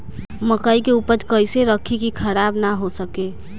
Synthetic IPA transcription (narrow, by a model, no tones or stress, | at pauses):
məkəikeupəd͡ʒkəɪseɾəkʰikikʰəɾabnaɦosəke